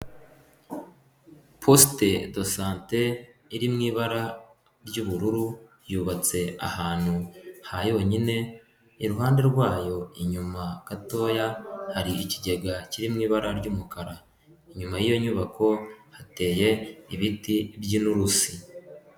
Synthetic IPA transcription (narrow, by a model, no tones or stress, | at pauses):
pʰoste̞do̞saːnte̞iɾimŋiːβaɾa | ɾɟuβuɾuɾu | juːβat͡se̞a̰haːn̥huhajo̞ɲine̞ | iɾuɦaːnde̞ɾɡwaːjo̞iɲumakato̞ːjahaɾiiciɟe̞ɡaciɾimŋiːβaɾaɾɟumukaɾa | iɲumajijo̞ɲuβakʰo̞hate̞ːje̞iβitibɟinuɾusi